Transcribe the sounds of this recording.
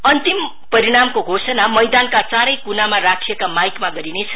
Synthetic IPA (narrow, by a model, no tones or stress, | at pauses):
ʌnt̪im | pʌɾiɽamkoɡʱosʌnamʌjd̪ankat͡saɾʌjkunamarakʰiekamajkmaɡʌɾinet͡sʰʌ̥